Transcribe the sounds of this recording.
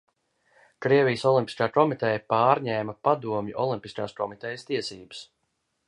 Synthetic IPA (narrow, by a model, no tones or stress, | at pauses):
kɾiɛvijəsɔlˠimpʲi̥skaːkɔmit̪ɛjɐpaːɾɲɛːmɐpad̪uɔmjuʔɔlˠimpiskaːskɔmit̪ɛjst̪iɛsiːbə̥s